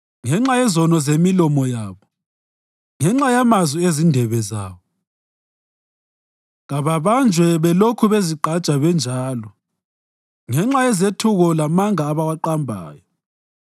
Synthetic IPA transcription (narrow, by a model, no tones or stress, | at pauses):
ŋɛŋ͡ǁajɛzɔnɔzemilɔmɔjaːβɔ | ŋɛŋ͡ǁajamazwiezindʱɛβɛzaːβɔ | ɣaβaβand͡ʒʱwɛβɛlokʰuβeziǃʱat͡ʃʼaβɛnd͡ʒʱaːlɔ | ŋɛŋ͡ǁajɛzetʰuɣɔlamaŋaːβawaǃambʱa̰ːjɔ